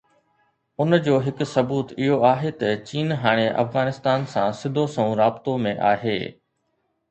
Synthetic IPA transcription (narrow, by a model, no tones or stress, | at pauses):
ʊnd͡ʑoːɦɪksɐbuːt̪ɪɦoaːɦet̪ɐt͡ɕiːnɦaːɽ̃eʔɐ̰fɣaːnɪst̪aːnsãsɪd̪ʱosɐ̃ũɾaːbɪt̪omẽʔaːɦḛː